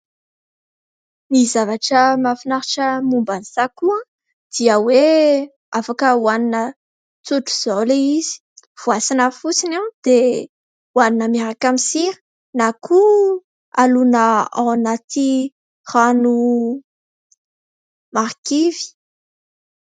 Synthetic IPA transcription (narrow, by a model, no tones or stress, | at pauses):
nizavaʈ͡ʂəmafinaɾiʈ͡ʂəmumbanisakuã | d̪̥iəwe | afakəwaninə | t͡suʈ͡ʂu̥z̥oliiz̥i̥ | v̥uasinafusinad̪̥e | waninəmeɾakamisiɾi̥ | nakʰu | alunəa̰wnat̪i | ranu | maɾkivi̥